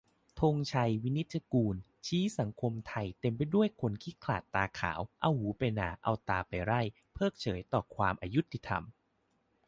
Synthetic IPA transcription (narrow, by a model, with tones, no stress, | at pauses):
t̪ʰo˧ŋt͡ɕʰa˧jwi˦˥ni˦˥t̪̚t͡ɕʰa˧kuː˧n | t͡ɕʰiː˦˥sa˩˦ŋkʰo˧mt̪ʰa˧jt̪e˧mp̬a˧jdu˥˩əjkʰo˧nkʰiː˦˥˩kʰla̰ː˨˩t̪ːaː˧kʰa̰ː˩˦wʔa˧whuː˨˩˦pa˧jna̰ː˨˩˦ʔa̰˧wt̪aː˧pa˨˧jɾa˥˩j | pʰɤː˥˩k̚t͡ɕʰɤː˩˦jt̪ɔː˨˩kʰwaː˧mʔaː˧ju˦˥t̪ʰːi˧˩t̪ʰa̰˧m